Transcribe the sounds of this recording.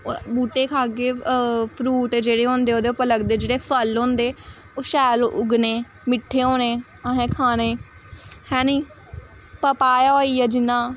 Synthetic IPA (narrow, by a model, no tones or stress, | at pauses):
buːʈeːkʰaːɡeːpʰɾuːʈd͡ʒeːɽeːɦõːnd̪eːoːd̪eːʊpːələɡd̪eːd͡ʒeːɽeːpʰəlɦõːnd̪eː | oːʃɛːlʔʊɡneː | mɪʈʰːeːɦõːneː | aɦɛ̃ːkʰaːneː | hɛ̃ːniː | pəpaːjaoːiːɛːd͡ʒɪnːãː